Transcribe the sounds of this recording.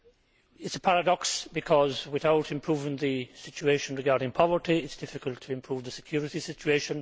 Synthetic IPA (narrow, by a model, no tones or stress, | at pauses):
ɪtsəpʰaɹədɔksb̥ɨkʰɔzwɪθaʊtɨ̃mpʰɹ̥uːvɪ̃ŋðɨsɪt͡ʃʉeɪʃə̃nɹɪɡaɹdɪ̃ŋpʰɔvə˞tiɪtsd̥ɪfɪkəlˠtʰːəɨ̃mpʰɹ̥uːvðəsɪ̥kʰj̥ɔɹɪtisɪt͡ʃʉeʃə̃n